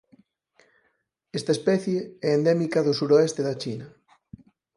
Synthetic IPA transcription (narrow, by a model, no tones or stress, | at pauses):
ɛst̪ɐespɛθjeɛːnd̪ɛmikɐðʊsuɾoest̪eðat͡ʃinɐ